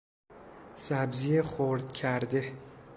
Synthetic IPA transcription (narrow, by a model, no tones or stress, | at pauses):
sæbzijexoɾd̪̚cʰæɾd̪e